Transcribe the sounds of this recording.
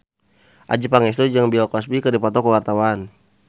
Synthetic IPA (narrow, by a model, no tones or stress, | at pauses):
ʔa̰d͡ʒipaŋɛs̬t̪ud͡ʒaŋbiɔlkɔsbikədipɔt̪ɔkəwart̪awan